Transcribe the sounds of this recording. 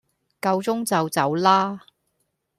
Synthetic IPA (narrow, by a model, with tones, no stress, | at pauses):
kɐ˧wt͡sʊ˥ŋt͡sɐ˨wt͡sɐ˨wlaː˥